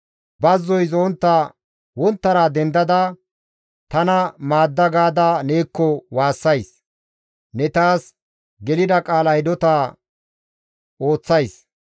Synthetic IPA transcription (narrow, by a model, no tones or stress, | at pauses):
bɐzːɔjzɔnt̪ːa | wɔnt̪ːɐɾaːd̪ɛnd̪ɐd̪ɐ | t̪ɐnɐmaːd̪ːɐɡaːd̪aneːkːɔwaːsːɐjs | nɛt̪aːs | ɡɛlɪd̪ɐkʼaːlɐjd̪ɔt̪aː | o̞ːt͡sːɐjs